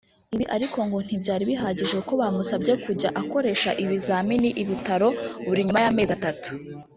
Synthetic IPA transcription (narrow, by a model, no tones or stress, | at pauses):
iβiʔaɾiko̞ŋɡo̞n̥ibɟaːɾiβiɦaːɟiʒeuko̞βamusabɟe̞kuɟaʔako̞ɾe̞ʃaʔiβizaːminiʔiβitaɾo̞βuɾiɲumajame̞ːzatatu̥